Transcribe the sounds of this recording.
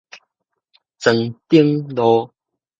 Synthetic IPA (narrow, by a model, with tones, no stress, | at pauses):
t͡sə˨ŋt̪i˦əŋlo˧˦